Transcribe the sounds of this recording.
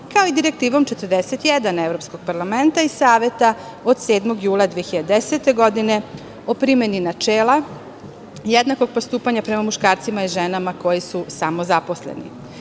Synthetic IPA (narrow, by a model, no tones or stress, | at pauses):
kaoid̪iɾe̞k̚t̪iːʋo̞mt͡ʃe̞t̪ərd̪eset̪jɛd̪anevɾo̞psko̞ɡ̥̚paɾlˠame̞nt̪aissaːʋe̞t̪a | o̞d̪̥se̞ːd̪moɡjuːlˠad̪ʋieçiʎad̪eset̪e̞ɡo̞d̪ine̞ | opɾimeninat͡ʃeːlˠa | jed̪nako̞ɡ̚post̪uːpaɲapɾe̞mamuʃkaːɾsimaiʒenamako̞jisusamo̞zapo̞slḛnḭ